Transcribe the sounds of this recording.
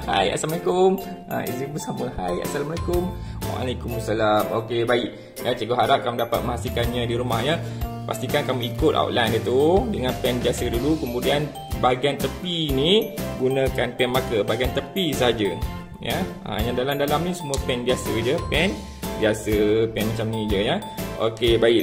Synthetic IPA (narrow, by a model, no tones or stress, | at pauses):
ha̰ja̰samalekʊmʔã̰ḭzinbəsamə̃haja̰salamalakʊmwa̰a̰lekuməsalamokebaɪʔ | jat͡ʃəɡoɦaɾap̚kamũdapa̰t̪̚mə̃ɦasikanɲãdiɾumahɲa | pa̰st̪ikankamũikʊt̪̚a̰wʔ̪lajnit̪udəŋãnpɛnbiasədulukəmudian | baaɡiant̪əpiniɡunãkanpɛnmakəbaaɡiant̪əpisəɦad͡ʒə | ja | ã̰jãdalamdalamnisəmuəpɛnbiasəd͡ʒəpɛn | biasəpɛnmat͡ʃamnĩd͡ʒəjaʔo̰kebaɪʔ